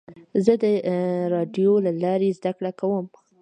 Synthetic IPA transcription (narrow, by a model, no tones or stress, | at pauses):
zəd̪əɾɑɖjolalɑɾezd̪akɽakawəm